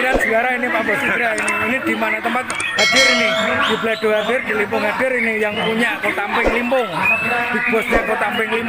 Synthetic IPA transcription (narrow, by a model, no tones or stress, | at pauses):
ɾansəɡaɾainipapɔsəɡiɾainiinid̪̥imanat̪əmpat̪̚ | ɦadɪɾinɪd̥iblaɖ̥oɦadɪrd̥̪ilimpʊŋɦadɪɾinɪjaŋpuɲaʔkot̪ampɪŋlimpʊŋb̥ib̥ɔsɲakot̪ampɪŋlim